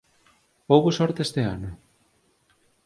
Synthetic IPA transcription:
powβosɔɾt̪est̪eanʊ

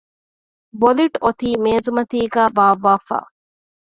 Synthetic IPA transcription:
boliʈot̪iːmeːzumɐt̪iːɡæːbaːʋːaːfa̰ː

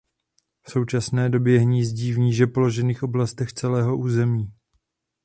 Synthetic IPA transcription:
fso̞wt͡ʃasnɛːdo̞bjɛɦɲiːzɟiːvɲiːʒɛpo̞lo̞ʒɛniːxʔo̞blast̪ɛxt͡sɛlɛːɦo̞ʔuːzɛmiː

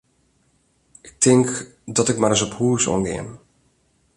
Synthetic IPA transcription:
ɪk̚tʰɪŋkdɔtɪkmaɾəsɔphuːsɔ̰ŋɡɪ̰əm

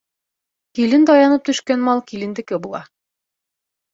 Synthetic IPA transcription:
kilɘnd̪ɒjɑnɤp̚t̪ɵ̆ʃkænmɑlˠkilɘ̆nd̪ɘ̆kɘbulˠɑ̰

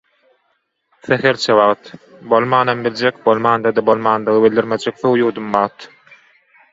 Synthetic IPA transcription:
θexeɾt͡ʃʰeβɑʁt̪bolˠmɑːnɑmbild͡ʒekbolˠmɑːnd̪ɑd̪ɑbo̞lˠmɑːnd̪ɯɣɯbilʲd̪iɾmed͡ʒek̚θowjuːɾd̪umbɑːt̪

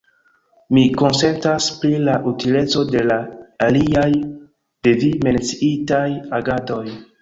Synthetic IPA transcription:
miko̞nse̞ntaspɾilaʔutile̞t͡so̞de̞laːliaj | d̥evime̞nt͡siitajaɡado̞j

